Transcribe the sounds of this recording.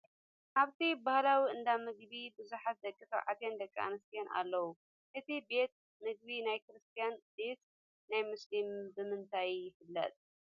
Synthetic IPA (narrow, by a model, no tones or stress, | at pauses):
ʔaβt̪ʰibahlawiɨnd̪amɨɡβibɨzuħat̪̚d̪ɐkʼːɨfɐʕa̰t̪jand̪ɐkʼːia̰nɨst̪ʰijana̰lːɐwu | ʔɨt̪ʰibe̞t̪̚ | mɨɡ̚binajkɨɾɨst̪ʰijand̪es | najmʊslimbɨmɨnt̪ʰajjɪfɨlːɐ̰t̪ʼ